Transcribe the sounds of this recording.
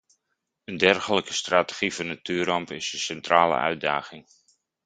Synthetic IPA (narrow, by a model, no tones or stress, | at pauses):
əndɛrχələkə̥straːtə̥χivɔnatyːrɑmpɪsənsɛntraːlə̰ʔœ̰ɥ̚da̰ːɣɪŋ